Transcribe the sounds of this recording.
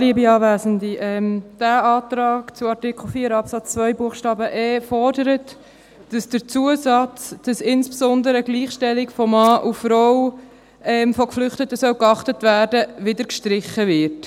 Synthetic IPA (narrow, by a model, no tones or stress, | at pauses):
liəbiɑːvæːzəndiʔɛmd̥æɑːtɾɑːkt͡sʊɑɾtɪkχl̩ˠfiːəɾɑpsɑt͡st͡svœjbuəχʃtɑːbəʔɛːfɔɾdəɾət | d̥ɑsd̥əɾt͡suəsɑt͡sd̥ɑsɪnsb̥sɔndəɾəɡliːχʃtɛlɪkfɔmɑːʔufɾɔw | ɛmfɔkflʏχtətəsœwkɑχtətvæːɾdəvɪdəɾkʃtɾɪχəvɪɾt